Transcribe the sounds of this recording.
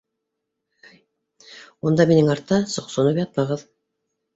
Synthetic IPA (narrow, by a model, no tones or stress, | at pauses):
und̪ɑminɘŋɑɾt̪ːɑsŏqsŏnɤpjɑt̪̚mɑʁɤð